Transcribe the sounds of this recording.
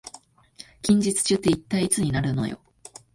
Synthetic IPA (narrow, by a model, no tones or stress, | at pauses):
kʲĩɲ̟d͡ʑit͡sɨ̥t͡ɕɨt̪ːe̞it̪ːaiit͡sɨɲ̟inaɾɯ̟no̞̰jo̞̰